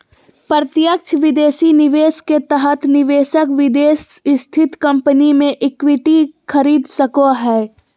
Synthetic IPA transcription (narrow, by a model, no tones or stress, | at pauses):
pɾət̪jək̚t͡ʃʰʋɪd̪eːsinɪʋeːsket̪əɦət̪ʰnɪʋeːʃəkʋɪd̪eːsst̪ʰɪt̪kɐ̃mpənimẽʔɪkwɪʈikʰəɾiːd̪səkoɦɛː